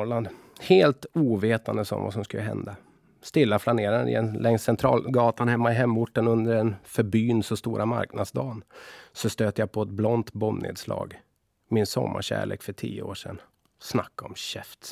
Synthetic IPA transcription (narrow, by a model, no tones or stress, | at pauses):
ɭand̪ | heːlt̪uːveːt̪and̪əsɔ̰mva̰sɔmskɵlːəɦɛ̰nd̪a | st̪ɪlːaflaneːɾaɾɪ̰ɛnlɛŋssɛnt̪ʰɾɑːlɡɑːt̪anhɛmːaɪɦɛmːʊʈːənɵnd̪əɾɛnfœɾbyːnsɔst̪uːɾʔama̰ɾknad̪sd̪ɑːnsɔst̪øːt̪əjapʰɔɛt̪̚blɔnt̪bɔmːnḛːd̪slɑ̰ːɡ | mɪnsɔ̰mːa̰ɕæ̰ːɭeːkfœʈʰḭːəoːʂɛ̰n | snakːɔmɕɛft̪